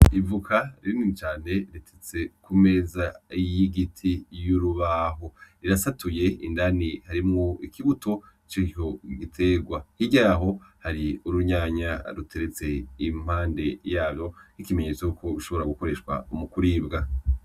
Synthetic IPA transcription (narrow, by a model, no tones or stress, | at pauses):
ivukʰaɾinit͡ʃaːne̞ɾitʰet͡se̞kume̞zaijiɡitʰijuɾuβaːɦo̞ɾiɾasatuje̞indanihaɾimŋoikʰiβuto̞ | t͡ʃihoɡitʰeːɡwahiɟaɦo̞haɾiuɾuɲaːɲaɾutʰe̞ɾet͡se̞im̥haːnde̞jaːbjo̞hikime̞ɲe̞t͡sojukʰo̞ɾuʃo̞βo̞ɾaɡuko̞ɾe̞ʃkwa̰umukuɾiːbɡa